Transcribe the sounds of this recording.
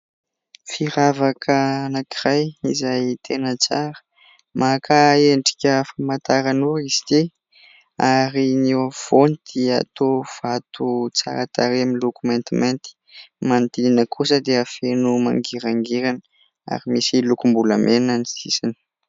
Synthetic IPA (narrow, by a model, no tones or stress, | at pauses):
fiɾavakʰənakirajizajt̪ʰenət͡saɾə̥ | makʰaeɳɖ͡ʐi̥kʲəfamat̪aɾanuizi̥t̪i | aɾinewav̥onid̪̥ia̰t̪ov̥at̪ʰut͡sa̰ɾat̪aɾiamilukument̪iment̪i̥ | mant̪ininəkʰusəd̪eafenuma̰ŋɡiɾaŋɡeɾanə | a̰ɾimisilukumbuləmʔenanisisinə̥